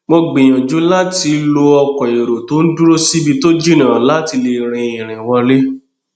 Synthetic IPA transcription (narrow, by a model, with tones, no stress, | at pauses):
mo˧ɡ͡bẽ˨j̃ɔ̃˨d͡ʒu˨˦la˦ti˧lo˧ɔ˧kɔ˨e˨ɾo˨to˨˦n̩˦du˦ɾo˦si˦bi˧to˦d͡ʒi˦˨nã˨la˦ti˧le˧ɾ̃ĩ˧ĩ˨ɾ̃ĩ˨wɔ̃˧le˦